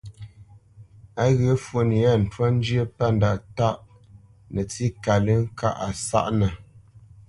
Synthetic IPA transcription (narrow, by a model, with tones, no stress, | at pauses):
a˦ɣə˨˦fwə˨ni˨a˦n̩˨twa˦n̩˦d͡ʒjə˦pa˦˨n˨da˨ta˦ʔ | nə˨t͡si˦ka˨lə˦ŋ̩˦ka̰˦ʔa˨sa̰˦ʔnə˨